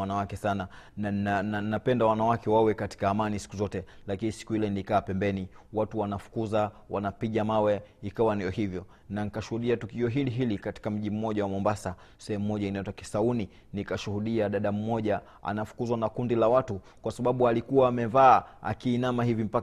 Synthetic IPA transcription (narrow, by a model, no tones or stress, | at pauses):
anawakɛsananaannannapɛndawanawakɛwawɛkati̥kaːmanisi̥kuzɔtɛlakinisi̥kuhilɛnilikaːpɛmbɛniwatuwanafu̥kuza | wanapiʄamawɛikawandijɔhivjɔ | nanikaʃuhuɗiatukiɔɦiliɦilikati̥kam̩ʄim̩mɔʄawamɔmbasa | sɛhɛmumɔʄainaitaki̥sauni | nikaʃuhuɗiaɗaɗam̩mɔʄa | a̰nafu̥kuzwanakundilawatu | kwasaɓaɓualikuwaːmɛvaːa̰kiːnamahivim̩pa